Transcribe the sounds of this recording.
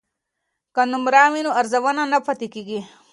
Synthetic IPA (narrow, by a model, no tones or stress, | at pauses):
kɐnumɾaːminuɐɾzɐʋɐnanɐpʰɐt̪ikiɡi